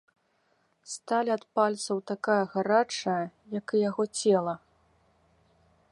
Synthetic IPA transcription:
st̪alʲiɐt̪palʲt̪sɐwt̪akajɐɣaɾat͡ʂɐjɐjɐkɨjaɣɔt͡sʲɛlˠɐ

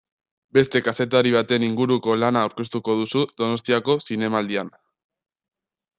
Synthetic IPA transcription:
be̞st̪e̞kase̞t̪aɾiβ̞at̪e̞niŋɡuɾuko̞lanaːwɾke̞st̪uko̞ðusuðo̞no̞st̪iako̞sine̞maːld̪ian

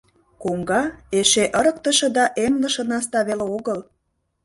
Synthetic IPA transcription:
koŋɡɑeʃeʔəɾək̚t̪ə̆ʃɤ̆d̪ɑʔemlə̆ʃə̆nɑst̪ɑβeleoɣəl

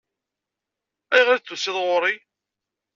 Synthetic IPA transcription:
æjʁɾt͡s̪ːusːɪðˤʁʊɾˤi

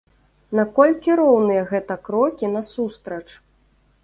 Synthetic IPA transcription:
nakɔlʲkʲiɾɔwnɨjɐɣɛt̪ɐkɾɔkʲinɐsust̪ɾɐt͡ʂ

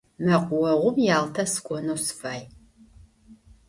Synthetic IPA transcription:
mɐqʷʊwɐʁʷʊmjaːltʰɐsɨ̥kʷʼɔnoːsfaːj

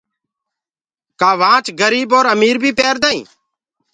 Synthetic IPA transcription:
kaːʋãːt͡ʃɡəɾiːboːɾəmiːɾbʱiːpeːɾd̪aːḭ̃ː

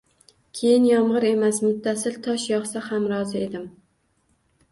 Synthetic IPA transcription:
kʲʰejɪnjɒmʁɨɾe̞masmʊt̪ʰːasɪlt̪ʰɒʃjɒχsahamɾɒzɪe̞d̪ɪm

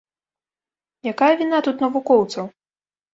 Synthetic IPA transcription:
jakajɐvʲinat̪ut̪nɐvukɔwt̪sɐw

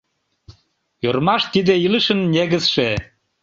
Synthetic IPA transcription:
jørmɑʃt̪id̪eiləʃə̆nːʲeɣəsʃe

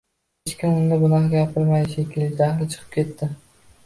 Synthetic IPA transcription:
ɪʃkʲɪʊnd̪abʊnɑqɡʲapʰɪɾmajʃekʲɪlɪɡʲd̪ahlɪt͡ʃʰɨ̥qʰɨ̥p̚kʲʰe̞t̪ʰːɪ

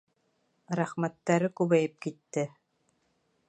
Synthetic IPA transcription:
ɾæχmæt̪ːæɾɘkʉβæjɘp̚kit̪ːɘ

